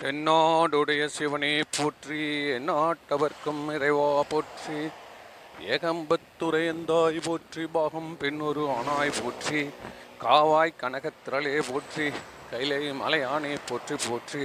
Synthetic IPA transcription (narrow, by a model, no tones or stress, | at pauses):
pɛnːaːɽɯɽɐjɐsɪʋɐneːpoːʈriɛnːaːʈːɐʋɐɾkɯmɪɾɐɪʋaːpoːʈri | eːɣɐmbɐt̪ːʊɾɐjɐnd̪aːjpoːʈribaːɣɐmpɪnːɔɾɯaːnaːjpoːʈrikaːʋaːjkɐɳɐɣɐt̪ːɪɾɐleːpoːʈri | kɐjlɐɪmɐ̰lɐjaːneːpoːʈripoːʈri